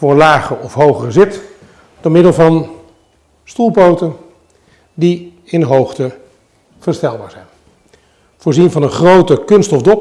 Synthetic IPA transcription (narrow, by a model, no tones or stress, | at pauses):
fʊːɹlaːχəɔfɦowχərəzɪt | d̥ɔɹmɪdəlˠvɑn | stulˠpowtən | di | ɪnɦowχtə | v̥əɹstɛlˠba̰ːɹz̥ɛjn | v̥ʊːɹzinvɑnənχrowtəkɵnstɔfdɔp